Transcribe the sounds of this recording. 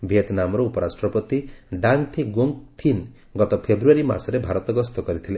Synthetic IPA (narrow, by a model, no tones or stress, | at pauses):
bʱet̪namɔɾɔupɔɾasʈɾɔpɔt̪iɖaŋt̪ʰiɡoŋkt̪ʰin | ɡɔt̪ɔpʰebɾuaɾima̰sɔɾebʱaɾɔt̪ɔɡɔst̪ɔkɔɾit̪ʰilẽ